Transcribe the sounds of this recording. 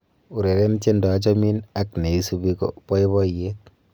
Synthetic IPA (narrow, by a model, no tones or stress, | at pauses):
uɾeɾent͡ʃendɔat͡ʃɔminak̚neisubiko̰pɔiβɔijet̚